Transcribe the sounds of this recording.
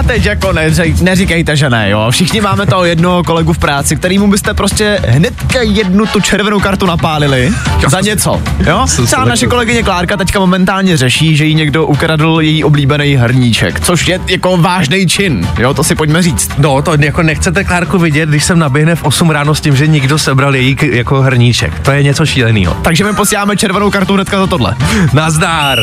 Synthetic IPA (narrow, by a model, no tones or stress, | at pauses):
at̪ɛcjakonɛɛjnɛrɪkɛjt̪ɛʒɛnɛ̰jo̰fʃɪxɲɪmaːmɛt̪oɦojɛdnoɦoko̞lɛɡufpɾaːt͡sɪkt̪ɛɾiːmubɪst̪ɛpɾoscɛɦnɛt̪kajɛdnut̪ut͡ʃɛɾvɛnowkaɾt̪unapaːlɪlɪzaɲɛt͡so̰joːɛbanaʃɛko̞lɛɡɪɲɛklaːɾkat̪ɛckamo̞mɛnt̪aːlɲɛrɛʃiːʒɛjiɲɛɡdo̞ʔukɾadl̩jɛjiːʔo̞bliːbɛnɛjɦrɲit͡ʃɛ̰kt͡soʃjɛjako̞vaːʒnɛjt͡ʃɪnjot̪osɪpocmɛriːt͡st̪not̪ojakonɛxt͡sɛt̪ɛklaːɾkuvɪɟɛt̪̚ɡdɪʃsɛmnabjɛɦnɛfʔosumɾaːnoscɪmʒɛɲɪɡdosɛbɾaljɛjijakoɦr̩ɲit͡ʃɛ̰kt̪ojɛɲɛt͡soʃiːlɛnḭːɦo̰t̪aɡʒɛmɪposiːlaːmɛt͡ʃɛɾvɛnowkaɾt̪uɦnɛt̪kazat̪odlɛ̰nazdaːɾ